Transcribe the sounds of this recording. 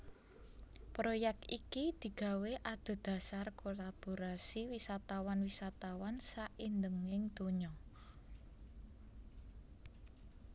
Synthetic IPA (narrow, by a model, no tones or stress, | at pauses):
pɾojɛk̚t̪ikid̪̥i̤ɡ̥ä̤weʔad̪̥o̤d̪̥a̤sarkolab̥oɾasiwisat̪awanwisat̪awansaʔind̪əŋɪŋd̪̥o̤ɲɔ